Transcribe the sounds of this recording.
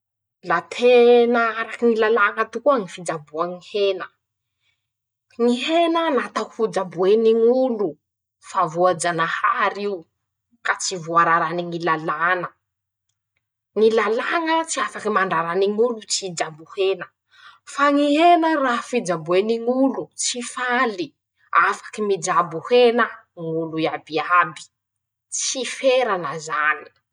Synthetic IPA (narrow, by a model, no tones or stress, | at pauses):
lat̪ʰenaaɾakiŋilalaŋət̪ukuaŋifid͡ʒabuaŋihenə | ŋiɦenənat̪akufud͡ʒabueniŋulu | favuad͡ʒanahaɾiu | kat͡sivuaɾaɾaniŋilalanə | ŋilalaŋət͡siafakimaɳɖ͡ʐaɾaniŋulut͡sid͡ʒabuhenə | faŋiɦenərafid͡ʒabueniŋulut͡sifali | afḁkimid͡ʒabuhenəŋuluiabiabi̥ | t͡sifeɾanəzani̥